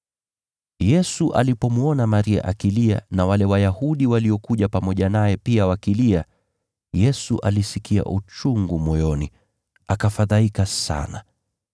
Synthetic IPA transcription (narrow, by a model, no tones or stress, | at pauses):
jɛsuʔa̰lipɔmuɔnamaɾia̰ʔakilia̰nawalɛwajahuɗiwaliɔkuʄapamɔʄanajɛpiawakilia | jɛsuʔalisikia̰ʔut͡ʃuŋɡumɔjɔni | akafaðaikasa̰na